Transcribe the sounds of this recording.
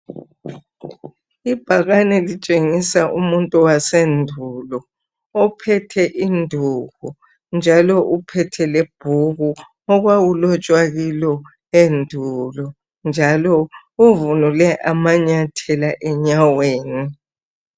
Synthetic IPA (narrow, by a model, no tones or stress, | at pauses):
ib̥ʱaɣanɛlit͡ʃʼeŋisaʔumuntʼuwasendʱulɔ | ɔpʰɛtʰɛʔindʱuɣu | nd͡ʒʱalɔʔupʰɛtʰɛleb̥ʱuɣu | ɔɣwawulɔt͡ʃʼwaɣilɔ | endʱulɔ | nd͡ʒʱalɔ | uvunulɛʔamaɲatʰɛlaʔɛɲaweːni